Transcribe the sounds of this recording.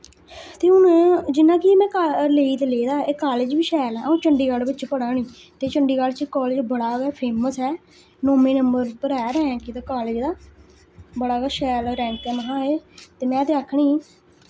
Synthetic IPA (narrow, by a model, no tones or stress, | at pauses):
t̪eːʊnd͡ʒɪnãːkɪeːmɛ̃ːkaleːiːt̪eːleːd̪aːeːkaːleːd͡ʒʋiːʃɛːlɛːũːt͡ʃəɳɖiːɡalbɪt͡ʃpəɽaːɳiː | t̪eːt͡ʃəɳɖiːɡalt͡ʃːkɔːleːd͡ʒbəɽaːʋɛːpʰeːməsɦɛː | noːmĩːnəmbəɾpəɾɛːɾɛːɛ̃ːkɪt̪aːkaːleːd͡ʒd̪aː | bəɽaːɡɛːʃɛːlɾɛ̃ːŋkɛːməɦãːeːt̪eːmɛ̃ːt̪eːaːkʰːɳiː